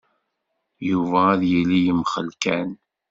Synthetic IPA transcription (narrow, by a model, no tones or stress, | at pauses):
juvæːðjəlːijəmχəlkæn